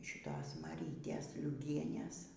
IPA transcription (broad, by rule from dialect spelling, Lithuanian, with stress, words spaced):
ʃʲɪˈtoːs mɐˈrʲiːtʲeːs lʲʊˈɡʲiɛnʲɛs